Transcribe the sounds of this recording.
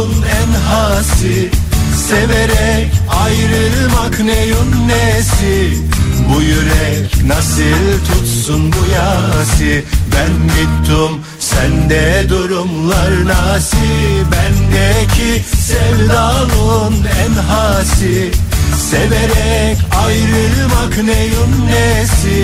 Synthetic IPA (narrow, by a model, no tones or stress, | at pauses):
nænɦasɯ | seveɾɛcajɾɯmaknejunːɛsi | bujyɾɛcnasɯlt̪ʰut̪sunbujasɯbænmit̪ʰːum | sænd̪ɛd̪uɾumlˠaɾnasibænd̪ɛcʰisɛvɾalunɛnɦaːsiseveɾɛcajɾɯmaknejunːɛsi